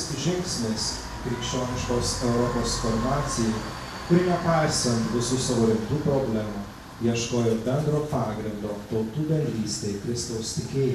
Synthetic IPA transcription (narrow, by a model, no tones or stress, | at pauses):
ʒʲɪŋʲkʲsʲmʲeːs | kɾʲɪkʃʲt͡ʃʲoːnʲɪʃkoːsɛʊɾɔpoːsfɔɾmɑːt̪sʲɪju | kʊɾʲɪnʲɛpɑɪsʲɛ̃nt̪ʋʲɪsʊsɐʋoːɾʲɪnt̪uːpɾɔːbʲlʲæmu | jiɛʃkoːjoːbʲɛnd̪ɾoːpɑːɡɾʲɪnd̪oːt̪ɒʊt̪uːd̪ɐlʲlʲiːsʲt̪ʲeɪkɾʲɪst̪ɒʊst̪ʲɪkʲeːjɛ